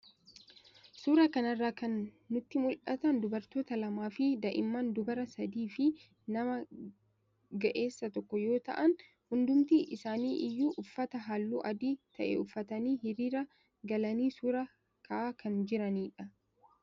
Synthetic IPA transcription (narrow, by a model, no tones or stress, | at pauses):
suːɾɐkɐnɐrːaːkɐnː | ʊt̪ːɪmʊlʔɐt̪ɐnd̪ʊbɐɾt̪o̞ːt̪ɐlɐmaːfɪd̪ɐʔɪmːɐnd̪ʊbɐɾɐsɐd̪iːfɪ | nɐmɐ | ɡɐʔe̞ːsːɐt̪ɔkːɔjo̞ːt̪ɐ̰ʔɐn | hʊnd̪ʊmt̪iʔɪsaːniːʔɪjːuːʔʊfːɐt̪ɐɦaːlːuːʔɐd̪iːt̪ɐʔɛ̰ʊfːɐt̪ɐniːhɪɾiːɾɐ | ɡɐlɐniːsuːɾɐ | kʰɐaːkʰɐnd͡ʒɪɾɐniːᶑɐ